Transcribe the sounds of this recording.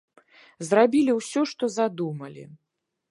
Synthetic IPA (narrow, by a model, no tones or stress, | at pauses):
zrabʲilʲiwsʲɔʂt̪ɔzad̪umɐlʲḭ